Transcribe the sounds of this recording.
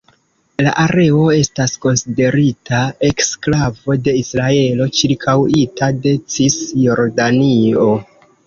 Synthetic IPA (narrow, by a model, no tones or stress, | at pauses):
la̰ʔaɾe̞o̞e̞stasko̞nside̞ɾitʰae̞ksklavo̞de̞isɾae̞lo̞t͡ʃiɾkʰawitade̞t͡sisjoɾdanio̞